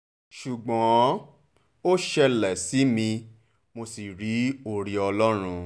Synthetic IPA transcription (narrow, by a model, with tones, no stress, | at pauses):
ʃu˨ɡ͡bɔ̃˨˦ | o˦ʃɛ˧lɛ˨si˨˦mĩ˧ | mo˧si˨ɾi˨˦o˧ɾi˧ɔ˧lɔ˦ɾ̃ũ˧